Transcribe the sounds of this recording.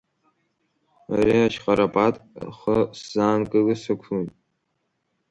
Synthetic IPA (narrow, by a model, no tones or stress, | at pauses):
a̰riat͡ʃqʼaɾapʼatʼχəszaːnkʼɨlɨsɨkʷʰun